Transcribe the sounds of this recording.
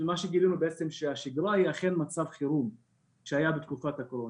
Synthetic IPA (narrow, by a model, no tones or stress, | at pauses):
maʃeɡilinubeet͡se̞mʃeaʃiɡɾahiaχe̞nmat͡savχiɾum | ʃeajabet̪kufat̪hakoɾon